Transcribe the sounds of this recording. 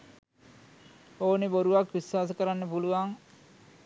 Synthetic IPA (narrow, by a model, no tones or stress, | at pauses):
oːneboɾuʋakʋiswaːs̬əkəɾanːəpuluʋaŋ